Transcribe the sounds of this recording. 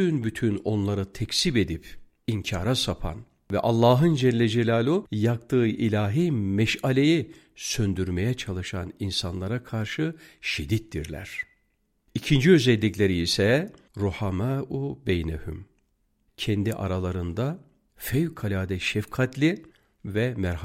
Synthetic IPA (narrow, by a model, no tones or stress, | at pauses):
ynbyt̪ʰyno̞nlˠaɾɯt̪ʰɛcsibe̞d̪ip | iɲcʰaːɾasapʰa̰n | vɛʔalˠːaːɦɯnd͡ʒɛnlʲɛd͡ʒelʲaːlʲˠujak̚t̪ʰɯːʔilʲaːɦimɛʃalʲeji | sønd̪yɾmejɛt͡ʃʰalˠɯʃaninsanlˠaɾakʰaɾʃɯʃid̪ːit̪ːḭɾlʲæ̰ɾ̥ | icʰind͡ʒiøzɛlʲːiclʲe̞ɾiːsɛ | ɾuhamaubejnehy̰m | cʰɛnd̪iʔa̰ɾalˠaɾɯnd̪a | fɛvkʰalʲaːd̪ɛʃɛfkʰat̪ʰlʲi | vɛmæɾh